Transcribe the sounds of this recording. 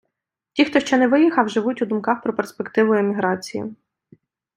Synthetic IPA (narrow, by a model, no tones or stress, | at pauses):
tʲixt̪ɔʃt͡ʃɔnɛʋɪjixɐwʒɪʋutʲud̪ʊmkɑxpɾɔpe̞rspekt̪ɪʋʊemʲiɦɾɑt͡sʲijḭ